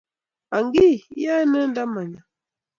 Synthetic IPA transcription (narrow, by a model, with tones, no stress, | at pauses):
a˨ŋɡi˦˨˦a˦nə˦n˦da˦ma˨ɲa˨